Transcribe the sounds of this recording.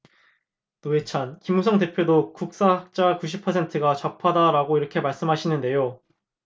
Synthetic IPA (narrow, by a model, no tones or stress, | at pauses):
toet͡ɕʰankimusʰʌŋde̞pʰjodokuk̚s͈aɦak̚t͡ɕ͈akuɕ̬ʰipʰʌsʰe̞ntʰɯɡat͡ɕʌpʰadaɾaɡoiɾʌkʰe̞maɭs͈ɯmɦaɕʰinɯnde̞jo